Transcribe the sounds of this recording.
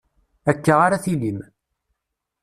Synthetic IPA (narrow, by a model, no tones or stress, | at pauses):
ækːaʁaɾaθilim